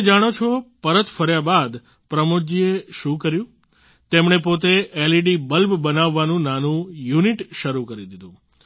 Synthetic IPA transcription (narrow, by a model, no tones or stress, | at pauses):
d͡ʒaɽ̃ot͡ʃʰopəɾət̪fəɾjabad̪ | pɾəmod͡ʒieʃũkəɾjũ | t̪emɳepot̪̬eeliɖibəlbbənaʋːanũnanũjuniʈʃəɾukəɾid̪id̪ũ